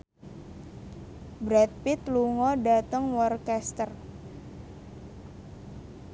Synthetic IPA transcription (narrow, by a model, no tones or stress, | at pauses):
bɾɛt̪̚pɪt̪luŋɔɖa̤t̪əŋwɔrkɛst̪ər